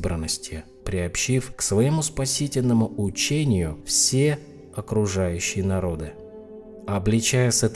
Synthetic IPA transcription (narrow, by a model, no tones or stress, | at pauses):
bɾə̰nːəsʲtʲɪ | pɾʲɪɐpɕifksvɐɪmuspɐsʲitʲɪlʲnəmʊʊt͡ɕenʲɪjʊfsʲe | ɐkɾʊʐajʉɕːɪjənɐɾo̞d̪ɨ | ɐblʲɪt͡ɕæjəsɛt̪